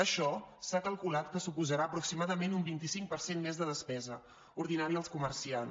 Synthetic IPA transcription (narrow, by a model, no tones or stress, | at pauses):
əʃɔsakəlˠkulat̪kəsupuzəɾaəpɾuksimaðəmenumbint̪isiŋk̚pəɾsenmezðəðəspɛzə | uɾðinaɾiəlˠskuməɾsian